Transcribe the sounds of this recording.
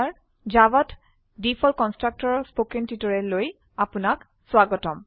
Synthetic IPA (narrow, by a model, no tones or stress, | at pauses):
ɹ | zabɔt | dipʰɔlkɔnstɹak̚tɔɹɔspokintitɔɹɛloj | apunak | swaɡɔtɔm